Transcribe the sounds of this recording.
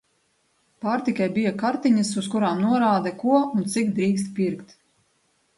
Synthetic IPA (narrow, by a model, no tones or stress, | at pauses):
paːɾt̪ikʲajbijakaɾt̪iɲɐsuskuɾaːmnuɔɾaːd̪ɐkuɔunt̪sikd̪ɾiːkst̪piɾkt̪